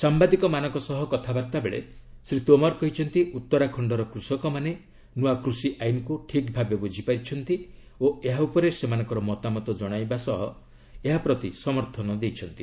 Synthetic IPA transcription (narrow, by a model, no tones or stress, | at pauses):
sambad̪ikɔmanɔ̃ŋkɔsɔɦɔkɔt̪ʰabaɾt̪abeɭḛsɾit̪omɔɾkɔɦit͡ʃʰɔnt̪iʔut̪ːɔɾakʰɔɳɖɔɾɔkɾusɔkɔmane | nuakɾusiʔajnkuʈʰikbʱabebod͡ʒʱipaɾit͡ʃʰɔnt̪i | oeɦaupɔɾesemanɔ̃ŋkɔɾɔmɔt̪amɔt̪ɔd͡ʒɔɽ̃ajbasɔɦɔ | eɦapɾɔt̪isɔmɔɾt̪ʰɔnɔd̪ejt͡ʃʰɔnt̪i̥